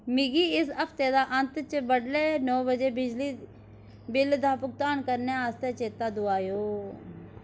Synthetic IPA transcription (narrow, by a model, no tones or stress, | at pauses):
mɪɡiːɪsəpʰt̪eːd̪aːʔənt̪t͡ʃəbəɽleːnɔːbəd͡ʒeːbɪd͡ʒliː | bɪld̪aːpʊk̚t̪aːnkəɾneːaːst̪eːt͡ʃeːt̪aːd̪ʊaːjoː